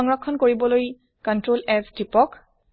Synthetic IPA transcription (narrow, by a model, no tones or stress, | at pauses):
ɔŋɹɔkʰːɔnkoɹibɔloj | kɔntɹolɛsdipɔk